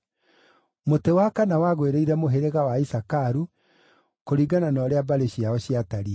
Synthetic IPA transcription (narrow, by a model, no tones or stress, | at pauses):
motewakanawaɣweɾeiɾɛmoɦeɾeɣawaisakaɾu | koɾiɡananɔɾeabaɾeɕiaɔɕiataɾiɛ